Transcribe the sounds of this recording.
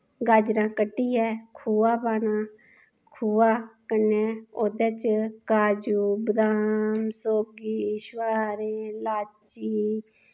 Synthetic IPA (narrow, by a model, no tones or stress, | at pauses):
ɡaːd͡ʒɾãːkəʈːiːɛːkʰuːaːpaːnãː | kʰuːaːkəneːod̪eːt͡ʃkaːd͡ʒuːbəd̪aːmsoːɡiːʃwaːɾẽːlaːt͡ʃiː